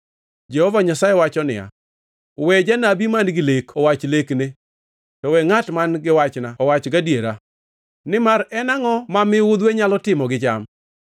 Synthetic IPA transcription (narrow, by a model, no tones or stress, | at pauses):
d͡ʒɛhɔvaɲasajɛwat͡ʃɔnɪ̰ja̰ | wed͡ʒanabimanɡɪlekɔwat͡ʃlekne | tɔwɛŋatmanɡɪwat͡ʃnaɔwat͡ʃɡadjeɾa | nɪmaɾɛnaŋɔmamɪwʊd̪weɲalɔtɪmɔɡɪd͡ʒam